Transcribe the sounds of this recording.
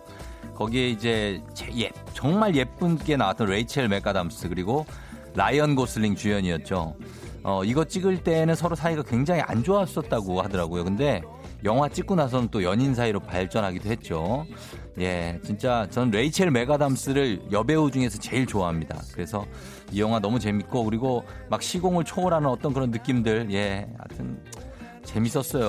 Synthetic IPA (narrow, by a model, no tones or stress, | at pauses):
kʌɡie̞id͡ʑe̞t͡ɕeje | t͡ɕʌŋmaɭje̞p͈ɯnɡe̞nawat͈ʌnɾe̞it͡ɕʰeɭme̞ɡ͈adams͈ɯkɯɾiɡo | ɾajʌnɡos͈ʰɯɭːiŋt͡ɕujʌɲiʌt̚t͡ɕ͈o | ʌiɡʌt͡ɕ͈iɡɯɭt͈e̞ːnɯnsʰʌɾosʰaiɡakwe̞ŋd͡ʑaŋia̰nd͡ʑoas͈ʌt̚t͈aɡohadʌɾaɡojokɯnde̞ | jʌŋɦwat͡ɕ͈ik͈̚unas̬ʰʌnɯnt͈ojʌɲins̬ʰaiɾopa̰ɭt͡ɕ͈ʌnɦaɡidohe̞t̚t͡ɕ͈o | je̞t͡ɕint͡ɕ͈at͡ɕʌnɯnɾe̞it͡ɕʰeɭme̞ɡadams͈ɯɾɯɭjʌbe̞ud͡ʑuŋe̞sʰʌt͡ɕe̞iɭt͡ɕoaɦamɲida̰kɯɾe̞sʰʌ | ijʌŋɦwanʌmut͡ɕe̞mit̚k͈okɯɾiɡomak̚ɕʰiɡoŋɯɭt͡ɕʰoːɾanɯnʌt͈ʌnkɯɾʌnːɯk͈imdɯɭje̞a̰tʰɯn | t͡ɕe̞mis͈ʌs͈ʌjo